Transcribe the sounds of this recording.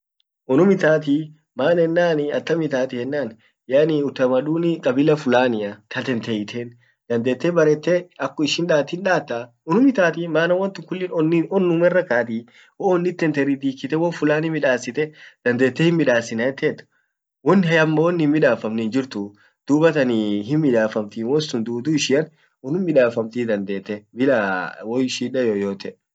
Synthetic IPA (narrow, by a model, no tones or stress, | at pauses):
ʔɔnʊmɪt̪aːt̪̬i | maːnɛnːaːnɐ̰t̪ːɐmɪt̪aːt̪ɪhɛnːaːn | janɪʊt̪ːɐmɐᶑuːnɪkʼɐbɪlɐfʊlaːnɪɐt̪ʰɐt̪ɛnt̪ɛjɪt̪ʰeːn | d̪ɐnd̪e̞ːt̪ːeːbɐɾɛt̪ːeɐkːɔɪʃɪnᶑaːt̪ɪnᶑaːt̪ːa | ʊnʊmɪt̪aːt̪imaːnɐwɐnt̪ɪkʊlːɪnɔnɪɔnːʊmɛrːɐkaːt̪i | wɔːɔnːɪt̪ːɛnt̪ɛɾid̪iːkːɪt̪ɛwɔfʊlaːnɪmɪᶑaːsːɪt̪ɛd̪̥ɐnd̪eːt̪ːɛhɪnmɪᶑaːsɪnɐɛt̪ːeːt̪ːʊ̥ | wɔnːɪɦɐjɐmːɐwɔnːhɪmːɪᶑaːfɐmnɪnd͡ʒɪɾt̪ʊ | d̪̥uːbɐt̪ɐniɦɪnmːɪᶑ̪aːfɐmt̪iːnwɔsʊnd̪uːd̪uːɪʃɪɐn | ʊnʊmmɪᶑaːfɐmt̪iːd̪ɐnd̪e̞ːt̪ːɛbɪlawɔjʃiːᶑɐjoːjoːt̪ɛʔ